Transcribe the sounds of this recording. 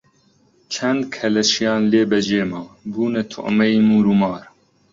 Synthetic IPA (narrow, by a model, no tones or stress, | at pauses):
t͡ʃʰɛnd̪kʰɛlɛʃijɑːnleːbɛʒeːmɑːbuːnɛt̪ʰʊ̰ʔmɛjiːmuːɾumɑːɾ